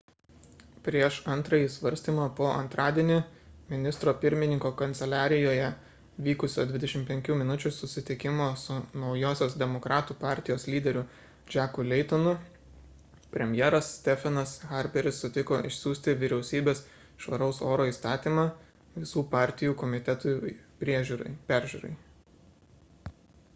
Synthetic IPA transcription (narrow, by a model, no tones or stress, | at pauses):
pʲɾʲiɛʃɐnt̪ɾɐjiːsʋɐɾʲsʲt̪ʲiːmɑpoːʔɐnt̪ɾɑːd̪ʲiɛnʲɪmʲɪnʲɪst̪ɾoːpʲɪɾʲmʲɪnʲɪŋkoːkɐnʲt̪sʲɛlʲæːɾʲɪjoːjɛ | ʋʲiːkʊsʲoːd̪ʲʋʲɪd̪ʲɛʃʲɪmpʲɛŋʲkʲuːmʲɪnʊt͡ʃʲʊsʊsʲɪt̪ʲɪkʲɪmoːsʊnɒʊjoːsʲoːsd̪ʲɛmokɾɑːt̪uːpɑˑɾʲt̪ʲɪjoːslʲiːd̪ʲɛɾʲʊ | d͡ʒʲæːkʊlʲɛɪt̪onʊ | pʲɾʲɛmʲjɛːɾɐssːʲt̪ʲɛfʲɛnɐsxɑɾʲpʲɛɾʲɪsːʊt̪ʲɪkoːʔɪ̰ʃʲsʲuːsʲt̪ʲɪʋʲɪɾʲɛʊsʲiːbʲeːs | ʃʋɐɾɐʊsoːɾoːiːˑst̪ɑːt̪ʲiːmɑ | ʋʲɪsuːpɑˑɾʲt̪ʲɪjuːkɔmʲɪt̪ʲɛt̪ʊpʲɾʲiɛʒʲuːɾɐɪpʲæɾʲʒʲuːɾɐ̰ɪ